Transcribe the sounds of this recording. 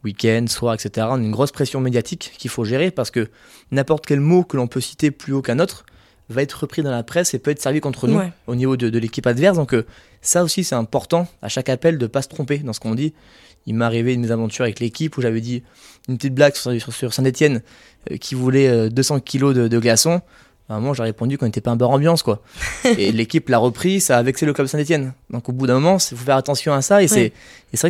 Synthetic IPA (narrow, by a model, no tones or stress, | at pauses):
wikʲɛnd̪swaʁɛkset̪eʁãnynɡʁɔspχesjɔ̃med̪jat̪ʰikːʲilfoʒeʁepaʁsə̥kə | nɛ̃pɔʁt̪kʲɛlmokəlɔ̃pøsi̥t̪eplyokɛ̃not̪χ | vaɛt̪χʁəpχid̪ɑ̃lapχɛsepøɛt̪χsɛʁvikɔ̃t̪χənuonivod̪əd̪əlekʲipad̪vɛʁs̬d̪ɔ̃kə | saosisɛt̪ɛ̃pɔʁt̪ɑ̃a̰ʃakapɛld̪əpasə̥t̪χɔ̃ped̪ɑ̃sə̥kɔ̃d̪i | ilmaːʁivenmezavɑ̃t̪yʁavɛklekʲipuʒavɛd̪i | ynpət̪it̪̚blaɡsy̥ʁsʁsyʁsɛ̃t̪et̪jɛn | ø̰kʲivulɛød̪øsɑ̃kʲilod̪əd̪əɡlasɔ̃ | bɛ̃mwaʒaʁepɔ̃d̪ykɔ̃net̪ɛpaɛ̃baʁɑ̃bjɑ̃skwaelekʲiplaʁəpχisaːvɛksɛləklœbsɛ̃t̪et̪jɛnd̪ɔ̃kobud̪ɛ̃mɔmɑ̃sɛfufɛʁat̪ɑ̃sjɔ̃asaesɛ | esevʁɛ